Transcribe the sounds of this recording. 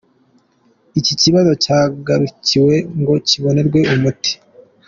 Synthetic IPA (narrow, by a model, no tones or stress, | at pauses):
iciciβazo̞caːɡaɾuciwe̞ŋɡo̞ciβo̞ne̞ɾɡwe̞umuti̥